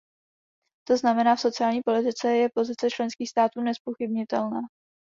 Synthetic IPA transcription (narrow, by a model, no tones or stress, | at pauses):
t̪o̞znamɛnaːfso̞t͡sɪaːlɲiːpo̞lɪt̪ɪt͡sɛjɛpo̞zɪt͡sɛt͡ʃlɛnskiːxst̪aːt̪uːnɛspoxɪbɲɪt̪ɛlnaː